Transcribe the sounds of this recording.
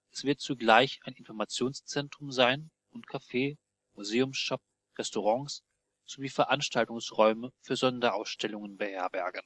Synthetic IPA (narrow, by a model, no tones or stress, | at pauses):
ʔɛsv̥ɪɐt̚t͡suɡlaɪçaɪnɪnfɔɐmat͡sjoːnst͡sɛntʁ̥ʊmzaɪn | ʊntkʰafeː | muzeːʊmsʃɔp̚ | ʁɛstoʁɑŋs | z̥oviːfɛɐʔanʃtaltʊŋsʁɔʏməfyːɐzɔndɐʔaʊsʃtʰɛlʊŋənbəhɛɐbɛɐɡən̩